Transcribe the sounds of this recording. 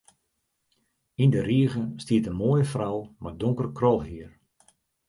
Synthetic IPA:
indəriəɣənstiətənmoːjəfrawmadʊŋkərkrɔlˠɦiər

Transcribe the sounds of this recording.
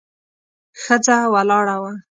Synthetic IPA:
xəd͡zawalɑɽawa

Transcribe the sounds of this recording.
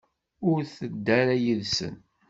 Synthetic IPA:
ʊɾθəd̪ːæɾæjəðsə̰n

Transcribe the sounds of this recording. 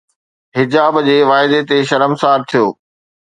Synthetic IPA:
ɦɪd͡ʑaːbd͡ʑeːʋaːɪd̪et̪eʃɐɾəmsaːɾt̪ʰijoː

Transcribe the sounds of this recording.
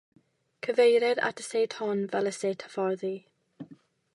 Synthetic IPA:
kʰəvejɾɛɾa̰tʰə̥seːthɔnvɛləseːtʰə̥fɔɾði

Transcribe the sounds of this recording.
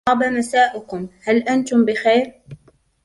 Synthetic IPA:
ɑbamasaːʔʊkʊmhalʔant̪ʊmbɪxajɾ

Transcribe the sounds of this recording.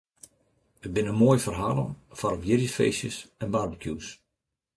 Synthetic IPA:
ət̚bɪnənmoːjfərɦaːlˠə̰nfaɾɔbjɪrjəfḛːsjəsɛnbarbəkʰjuːs

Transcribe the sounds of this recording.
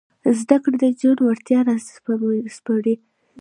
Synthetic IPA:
zd̪akɽd̪əd͡ʒanwaɾt̪jɑɾaz | spəɽi

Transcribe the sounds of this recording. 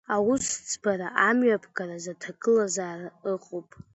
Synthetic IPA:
awʊst͡sʰʼbaɾaʔamɥapʰɡaɾazatʰakʼɨlazaːraɨqʼopʼ

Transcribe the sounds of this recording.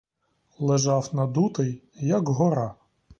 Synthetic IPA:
lˠɪʒɑwnɐd̪ut̪ej | jɐkɦɔɾɑ

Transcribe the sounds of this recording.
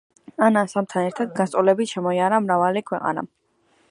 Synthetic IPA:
anasamt̪ʰanɛɾt̪ʰad̪ɡanst̪ʼɔlɛbit̪ʃɛmɔiaɾamɾavalikʰwɛqʼa̰na̰

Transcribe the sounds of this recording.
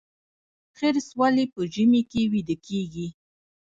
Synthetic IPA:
xeɾswalepəʒəmekewid̪əkʰeɡi

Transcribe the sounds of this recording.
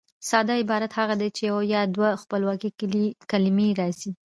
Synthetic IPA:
sɑd̪ɑɪbɑɾat̪haɣad̪ejt͡ʃejawajɑd̪waxpəlwɑkikalimeɾɑsi

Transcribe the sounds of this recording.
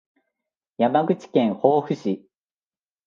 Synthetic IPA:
jamaɡɯ̟t͡ɕi̥kẽ̞ɰ̃hoːɸɯ̟ɕi

